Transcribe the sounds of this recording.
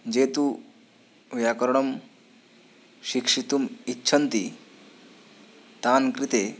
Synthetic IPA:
d͡ʑet̪u | ʋjakəɾɳ̃əm | ɕikʂit̪umitːɕʰənt̪i | t̪ankɾit̪e

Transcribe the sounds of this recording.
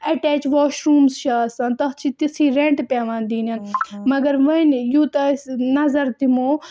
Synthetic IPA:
ɐʈɛːt͡ʃʋoːʃɾuːmsʃaːsɐ̃ːnt̪ɐɦt͡ʃʰit̪isiːɾeɳʈpʲeːʋãːnd̪iːnɐnmɐɡɐɾʋɐnjuːt̪ɐsnɐzɐɾt̪imoː

